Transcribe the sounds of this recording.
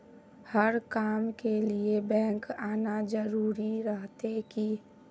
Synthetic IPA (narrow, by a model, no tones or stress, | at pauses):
həɾkaːmkeliebɛ̃ːŋkaːnad͡ʒəɾuːɾiɾəɦt̪eki